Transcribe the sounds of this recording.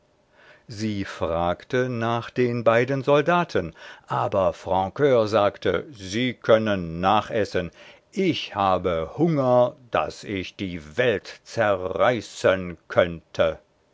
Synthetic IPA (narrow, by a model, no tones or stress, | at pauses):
ziːfʁ̥aːktənaːχd̥eːnbaɪdənzɔldaːtʰənʔaːbɐfʁ̥ɑ̃kʰøːɐzaːktʰə̰ziːkʰœnənːaːχʔɛsən | ʔɪçhaːbəhʊŋɐd̥a̰sɪçd̥iːvɛltt͡sɛɐʁaɪsənkʰœntʰə